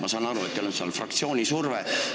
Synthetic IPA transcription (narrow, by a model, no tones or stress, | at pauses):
mʔɑsɑːnɑɾuet̪ːelonsiɑ̰lfrɑk̚t̪sio̞ːnʲisurve